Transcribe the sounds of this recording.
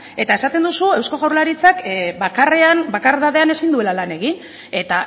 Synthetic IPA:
e̞t̪ae̞sat̪e̞nd̪usue̞wsko̞ɣawɾlaɾit͡sakbakare̞anbakaɾðaðe̞ane̞sind̪ue̞lalane̞ɣin | e̞t̪a

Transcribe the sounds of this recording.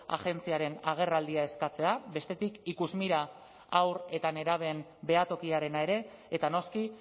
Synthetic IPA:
a̰ʝe̞nt͡siaɾe̞naɣ̞e̞rald̪iae̞skat͡se̞abe̞st̪e̞t̪ikikuzmiɾa | awre̞t̪ane̞ɾaβ̞embe̞at̪o̞kiaɾe̞nae̞ɾe̞ː | t̪ano̞ski

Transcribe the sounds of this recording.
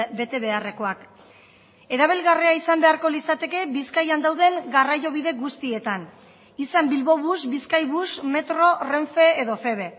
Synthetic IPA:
be̞t̪e̞βe̞are̞ko̞ak | e̞ɾaβ̞elɣariaisambe̞aɾko̞lisat̪e̞ke̞βiskajand̪awðe̞ŋɡarajo̞β̞iðe̞ɡust̪ie̞t̪an | isambilβo̞βusbiskajβusme̞t̪ɾo̞re̞ɱfe̞ːðo̞fe̞β̞e̞

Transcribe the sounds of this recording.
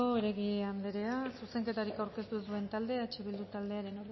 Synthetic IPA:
oeɾe̞ɣiand̪eɾeasuse̞ŋke̞t̪aɾikawɾke̞st̪usue̞nt̪ald̪e̞aet͡ʃeβ̞ild̪ut̪ald̪e̞aɾe̞noɾ

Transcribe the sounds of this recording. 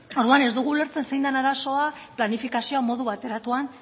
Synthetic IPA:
o̞ɾðuane̞zd̪uɣ̞uːle̞ɾt͡se̞nsejnd̪anaɾaso̞aplanifikasioamo̞ðuβat̪e̞ɾat̪uan

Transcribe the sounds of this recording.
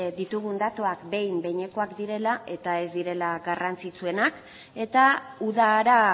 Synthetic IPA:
d̪it̪uɣund̪at̪oakbe̞jmbe̞ɲe̞ko̞akd̪iɾe̞laʔe̞t̪ae̞zd̪iɾe̞laɡarant͡sit͡sue̞nak | e̞t̪auðaːɾa

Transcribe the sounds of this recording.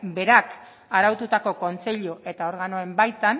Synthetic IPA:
be̞ɾak | aɾawt̪ut̪ako̞ko̞nt͡se̞ʎoʔe̞t̪ao̞ɾɣano̞e̞mbajt̪an

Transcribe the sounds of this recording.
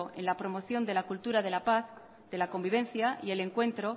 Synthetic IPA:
oe̞̰nlapɾo̞mo̞θjo̞nd̪e̞lakult̪uɾaðe̞lapaθ | ðe̞lako̞mbiβ̞ẽ̞nθjaie̞le̞ŋkwẽ̞nt̪ɾo̞

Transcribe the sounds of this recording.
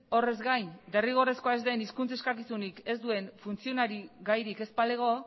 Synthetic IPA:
o̞re̞zɡajnd̪e̞riɣ̞o̞re̞sko̞aezd̪e̞niskunt͡se̞skakisunike̞zd̪ue̞nfunt͡sio̞naɾiɡajɾike̞spale̞ɣ̞o̞

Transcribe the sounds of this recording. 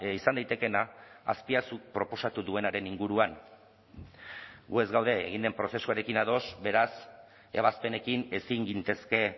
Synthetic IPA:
isand̪ajt̪e̞ke̞na̰ːspiasuk̚pɾo̞po̞sat̪uðue̞naɾe̞niŋɡuɾuan | ɡue̞zɡawðe̞ːɣind̪e̞mpɾo̞se̞suaɾe̞kinaðo̞sbe̞ɾas | e̞β̞aspe̞ne̞kine̞siŋɡint̪e̞ske̞

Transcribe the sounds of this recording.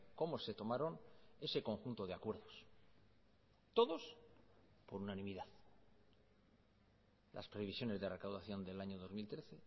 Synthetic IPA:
ko̞mose̞t̪o̞maɾo̞ne̞se̞ko̞ŋxunt̪oðe̞akwe̞ɾðo̞s | t̪o̞ðo̞s | po̞ɾunanĩmiðað | lʔa̰spɾeβisjo̞ne̞zðe̞re̞kawðaθjo̞nd̪e̞laɲoð̞o̞zmilt̪ɾe̞θe̞

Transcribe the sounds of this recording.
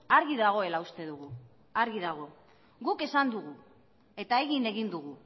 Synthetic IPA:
aɾɣiðaɣ̞o̞e̞laust̪e̞ðuɣu | aɾɣiðaɣ̞o̞ | ɡuke̞sand̪uɣu | e̞t̪ae̞ɣine̞ɣind̪uɣ̞u

